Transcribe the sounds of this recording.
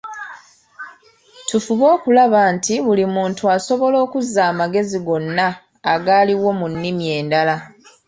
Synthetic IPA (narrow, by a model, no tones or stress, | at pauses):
tufuβo̞ːkulaβaːntiβulimuːntuaso̞βo̞lo̞ːkuzaːmaɡe̞ziɡo̞nːaː | ɡaːliwo̞munːimie̞ːndala